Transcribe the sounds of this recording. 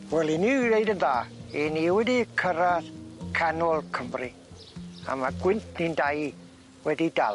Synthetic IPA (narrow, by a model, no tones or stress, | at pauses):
wɛlˠininejdənðaːɛniwɛdikʰəɾaðkʰanɔlˠkʰəmri | a̰maɡwɪntʰnindaj | wɛdida̰l